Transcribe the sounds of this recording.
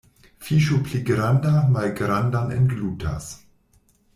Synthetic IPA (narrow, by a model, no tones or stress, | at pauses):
fiʃupliɡɾandamalɡɾandanḛnɡlutʰa̰s